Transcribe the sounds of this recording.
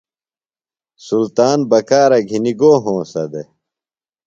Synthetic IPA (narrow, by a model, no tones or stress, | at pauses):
sult̪aːnbɐkaːɾɐɡʱiniɡoːɦõːsɐd̪e